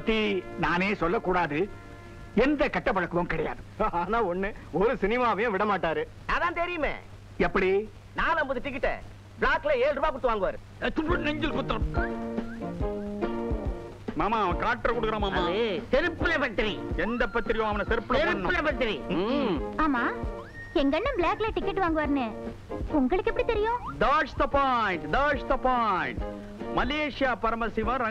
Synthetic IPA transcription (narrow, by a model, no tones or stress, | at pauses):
ɐt̪ːinaːneːsɔlːɐkːuːɽaːðɯ | ɛnd̪ɐkɐʈːɐpːɐɻɐkːɯʋɐːmkɪɽɐja̰ːðɯaːnaːɔnːɯɔɾɯsɪnɪmaːʋɐjʊ̃ʋɪɽɐmaːʈːaːɾɯ | naːðãːnt̪ɛɾɪjɯmḛ̃ː | ɛpːɐɽi | naːlɐmbɐðɯʈːɪk̬ːɪʈːɛ̰ | bɭaːklɐeːlɾɯbaːkʊɽɯt̪ːɯʋaːŋɡɐʋaːɾɯ | nɛɲd͡ʒɪlkʊt̪ːɐɐ | maːmaːɐ̃kaːʈːɐɾkʊɽɯkːɾãːmaːmaːet̪ɛɾɯpːɯlɐpɐt̪ːɾiɛnd̪ɐpːɐt̪ːɪɾɪjõːɐʋɐnɐsɛɾɯpːlɐɛɾñːlɐpɐt̪ːɾi | aːmaː | ɛŋɡɐnːɐbɭaːkːɪleʈɪkːɪʈːʋaːŋɡɯʋaːɾnɯ | ʊŋɡɐɭɯkːɛpːɐɽit̪ɛɾɪjõd̪aːʂt̪ɐpaːjɳʈd̪aːʂt̪ɐpaːjɪɳʈ | mɐleːʂɪjaːpɐɾɐmɐsɪʋɐ̃ɾɐ